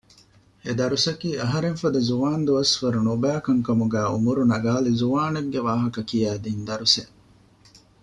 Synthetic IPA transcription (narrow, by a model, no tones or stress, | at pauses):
ed̪ɐɾusɐkiːɐɦɐɾeŋfɐd̪ɐzuʋaːnd̪uɐsfɐɾunubæːkɐŋkɐmuɡæːṵmuɾunɐɡaːlizuʋaːneɡːeʋaːɦɐkɐkijæːd̪iːnd̪ɐɾuseʔ